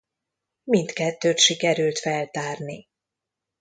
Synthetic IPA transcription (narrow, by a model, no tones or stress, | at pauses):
mint̪kɛt̪ːøːt̪ʃikɛɾylt̪fɛlt̪aːrni